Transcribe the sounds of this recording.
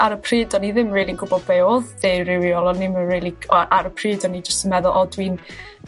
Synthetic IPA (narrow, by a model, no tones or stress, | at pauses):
aɾəpʰriːdɔniðɪmriːlˠiənɡʊbɔbɛɔððerɪwjɔlˠɔnɪmənriːlˠiɔʔaɾəpʰriːdɔnid͡ʒəstənmɛðʊlˠʔɔdwiːn